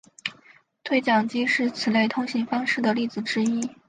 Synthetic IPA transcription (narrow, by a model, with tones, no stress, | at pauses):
t̪ʰwe˥˩ɪt͡ɕjɑ˨˩ŋt͡ɕi˥ʂɻ̩˥˩t͡sʰɹ̩˨˩le˥˩ɪt̪ʰʊ˥ŋɕi˧˥ŋfɑ˥ŋʂɻ̩˥˩d̪ə˩li˥˩t͡sɹ̩˨˩ʈ͡ʂɻ̩˥i˥